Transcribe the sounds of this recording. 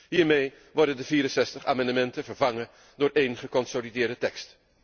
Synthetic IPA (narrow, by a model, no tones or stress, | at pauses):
ɦiːɹmej | ʋɔɹdəndəviːɾənsɛstəχa̰ːmɑndəmɛntənvəɹvɑŋə | dʊːɹʔejnχəkɔnsolidɪːɹdətɛkst